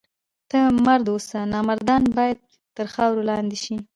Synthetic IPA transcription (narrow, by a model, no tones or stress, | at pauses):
t̪əmaɾd̪osanɑmaɾd̪ɑnbɑjad̪̚ | t̪əɾxɑwɾolɑnd̪eʃi